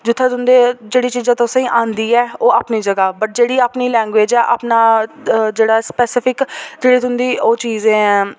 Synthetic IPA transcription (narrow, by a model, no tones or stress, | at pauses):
d͡ʒʊt̪ʰːẽːt̪ʊnd̪eːd͡ʒeːɽiːt͡ʃiːzãːt̪osĩːʔãːnd̪iːɛːoːaːpniːd͡ʒəɡaːbəʈ̚d͡ʒeːɽiːaːpniːlɛ̃ːŋɡʋeːd͡ʒɛːʔa̰ːpnaːd͡ʒeːɽaːspɛːsɪpʰɪkd͡ʒeːɽiːt̪ʊnd̪iːoːt͡ʃiːzẽː